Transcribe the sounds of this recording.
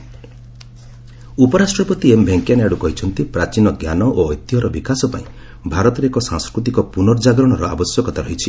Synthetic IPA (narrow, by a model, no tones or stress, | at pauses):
upɔɾasʈɾɔpɔt̪iembʱeŋkjanaɽukɔɦit͡ʃʰɔnt̪ipɾat͡ʃinɔɡjanɔʔoɔjt̪iɦɔɾɔbikasɔpaĩ | bʱaɾɔt̪ɔɾeekɔsãŋskɾut̪̬ikɔpunɔɾd͡ʒaɡɾɔɽ̃ɔɾɔa̰bɔsjɔkɔt̪aɾɔɦit͡ʃʰi